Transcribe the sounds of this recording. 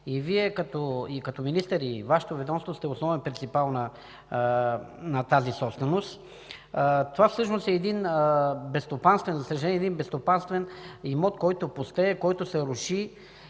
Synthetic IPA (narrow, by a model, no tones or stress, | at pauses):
iviɛkɐt̪ɔikɐt̪ɔminist̪ɛɾivaʃɛ̥t̪ovɛd̪ɔmst̪vost̪ɛosnɔvɛnpɾʲint̪ipalˠnɐ | nɐt̪azisɔpst̪vɛnost̪ | t̪ovafsɤʃnost̪ɛːd̪inbɛst̪opanst̪vɛnzɐsɐʒɐlɛnɛd̪inbɛst̪opanst̪vɛnimɔt̪kɔjt̪opost̪ɛkɔjt̪ʊsɛɾʊʃi